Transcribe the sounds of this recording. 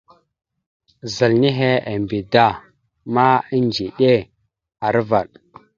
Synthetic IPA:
za˨lni˦ɦe˦a˨mbi˨da˦˨ | ma˦i˦nd͡ʒi˨ɗe˦ | a˨ɾva˨ɗ

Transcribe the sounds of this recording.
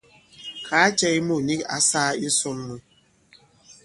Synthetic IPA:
kʰa˨˦t͡ʃɛ˦i˦mu˦˨ni˦ka̰˨saː˦i˦sʊ˦m˦mu˨˦

